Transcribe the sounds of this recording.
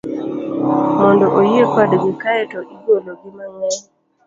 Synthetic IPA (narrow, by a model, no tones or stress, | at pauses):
mɔndɔʔojepadɡikaɛtɔʔiɡoloɡimaŋɛ